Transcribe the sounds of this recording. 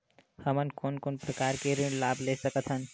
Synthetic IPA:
həmənkoːnkonpɾəkaːɾkeɾɪ̃ɳɖlaːblesəkət̪ʰɦən

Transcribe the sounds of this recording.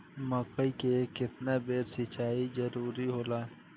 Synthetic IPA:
məkəikekɪt̪nabeːɾsɪt͡ʃaːid͡ʒəɾuːɾiɦoːlaː

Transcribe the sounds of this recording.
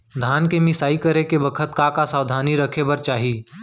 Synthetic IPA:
d̪ʱaːnkemɪsaːikəɾekebəkʰət̪̚kakasaːʋd̪ʱaːniɾəkʰebəɾt͡ʃaːɦiː

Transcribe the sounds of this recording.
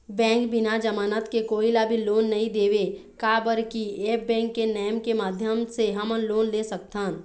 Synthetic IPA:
bɛ̃ːŋkbɪnad͡ʒəmaːnət̪kekoːilabʱiloːnːɐɦĩd̪eːʋe | kaːbəɾkieːp̚bɛ̃ːŋkːenɛːəmkemaːd̪ʱjəmseɦəmənloːnleːsək̚t̪aːn

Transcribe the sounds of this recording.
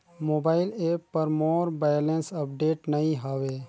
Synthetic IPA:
moːbaːɪleːpːəɾmoːɾbaːjlensəpɖeːʈnəĩɦəʋeː

